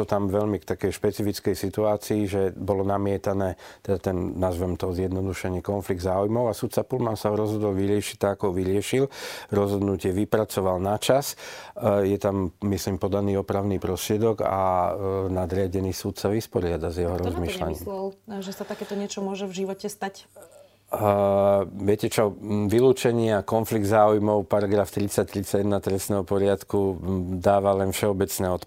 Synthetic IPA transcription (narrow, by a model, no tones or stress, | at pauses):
ɔt̪amʋɛʎmikt̪akɛjʃpɛt͡sifit͡skɛjsit̪uaːt͡siːʒɛbɔlɔnamɪɛt̪anɛːt̪ɛd̪at̪ɛnnazʋɛmt̪ɔzjɛd̪nɔd̪uʃɛɲɪɛkɔnfliɡ̚d̪zaːujmɔʊasut̪t͡sapulmansaɔɾɔzɦɔd̪ɔlʋiɾɪɛʃi̥t̚t̪ːaɡakɔɔʋiɾɪɛʃilɾɔzɦɔd̪nucɪɛʋipɾat͡sɔʋalnat͡ʃas | jɛt̪amːislimpɔd̪aniːɔpɾaʊniːpɾɔst̪ɾɪɛd̪ɔɡa̰nad̪ɾɪaɟɛniːsuːt̪saʋispɔɾɪad̪azjɛɦɔɾɔzmiːʃla̰ɲḭːmllʒɛsat̪akɛːt̪ɔɲɪɛt͡ʃɔmʊɔʒɛvʒiʋɔcɛst̪ac | ʋɪɛcɛt͡ʃɔʋiluːt͡ʃɛɲɪaakɔnfliɡ̚d̪zaːujmɔʊpaɾaɡɾaːft̪ɾit͡sac̚t̪ɾit͡saɟɛd̪nat̪ɾɛsnɛːɦɔpɔɾɪat̪kud̪aːʋalɛnfʃɛɔbɛt͡snɛːɔt̪